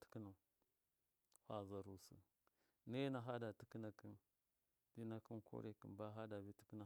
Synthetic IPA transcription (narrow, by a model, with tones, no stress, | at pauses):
tə̥˦ki˦na˨ | hʷa˨za˨ɾu˨sə̰˨ | ne˦na˨ɦa˦da˨ti˦ki˦na˨ki˦n | di˦na˨ki˦nko̰˦ɾe˨kḭ˨nba˦ɦa˦da˨bi˦ti̥˦ki˦na˨